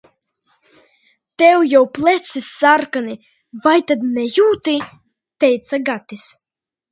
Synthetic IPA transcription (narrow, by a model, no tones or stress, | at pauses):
t̪ɛwjawplˠɛt̪sisːaɾkani | vajt̪ad̪nɛjuːt̪i | t̪ɛjt̪saɡat̪is